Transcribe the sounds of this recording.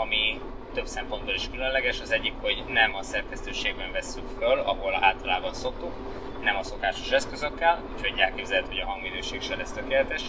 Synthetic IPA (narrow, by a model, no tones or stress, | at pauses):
ɒmi | t̪ø̞psɛmpo̞nboliʃkylø̞nlɛɡɛʃɒzɛɟːikho̞ɟnɛmɒsɛrkɛst̪øːʃeːɡ̚bɛɱvɛsːykfølɒ̰ɦo̞la̰ːlt̪ɒlaːbɒnso̞kt̪uk | nɛmɒso̞kaːʃo̞̥ʃɛskø̞zø̞kːɛlucho̞ɟɛlkeːbzɛlɛt̪ho̞ɟɒɦɒŋɡmid̪øːʃeːkʃɛlɛst̪økeːlɛt̪ɛʃ